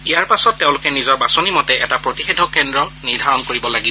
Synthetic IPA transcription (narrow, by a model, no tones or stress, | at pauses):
ijaɹpasɔtːeʊ̃lʊkɛnizɔɹbasonimɔtɛʔɛtapɹotixedʱɔkɛndɹɔniɹdʱaɹɔnkoɹibɔlaɡibɔ